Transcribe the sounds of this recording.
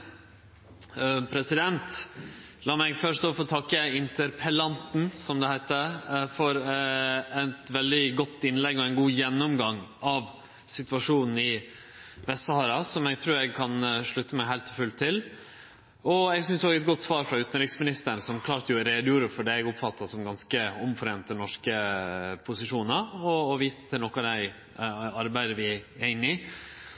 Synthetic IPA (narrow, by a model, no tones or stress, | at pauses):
pʰɾɛsɪd̪ɛnt̪ | lɑːmæɪɡfœʂʈ̪oːfɔt̪ʰɑkːəɪnt̪ʰəɾpʰəlɑnt̪n̩sɔmd̪ɛhæɪt̪əfɔɾ | ɛt̪ʋɛld̪ɪɡɔt̪ːɪnlɛɡɔɛɪnɡuːjɛnːɔmɡɑŋɑʋ | sɪt̪ʋɑʂuːnn̩ɪ | ʋɛsɑːɾɑsɔmɛɡ̚t̪ʰɾʉːɾɛɡkʰɑnʂɭʉt̪ːəmɛɦæɪlt̪ɔfʉlt̪ʰɪl | ɔɛɡsʏnsd̪ohɑɡɛt̪̚ɡɔt̪ːsʋɑːɾfɾɑʉːt̪ən̩ɾɪksmɪnɪst̪əɳsɔmkʰlɑːɾt̪əjʊɾeːd̪juːɾəfɔɖɛɛɡʊpfɑt̪ːɑsɔmɡɑnskəɔmfɔɾeːnt̪ənɔʂkəpʰʊsɪʂuːnɑɔːʋiːst̪ə̥t̪ʰɪlnɔkɑd̪æɪ | ɑɾbæɪd̪əʋɪæɪnːɪ